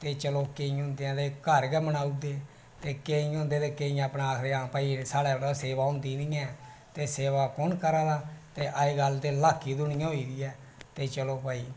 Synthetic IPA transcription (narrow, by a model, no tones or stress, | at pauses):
t̪eːt͡ʃəloːkeĩõːnd̪eãːd̪eːkəɾɡɛːbənaːuːd̪eː | t̪eːkeːiõːnd̪eːd̪eːkeːijãəpnaaːkʰɾeːãːpaːiːsaːɽɛːɾaseːʋaːʊ̃ːnd̪iːnĩːɛ̃ː | t̪eːseːʋaːkɔnkəɾaːd̪aːt̪eːʔəeːɡəlt̪eːlaːkʰːiːd̪ʊnɪjãːɦoiːd̪iːɛː | t̪eːt͡ʃəloːpaːiː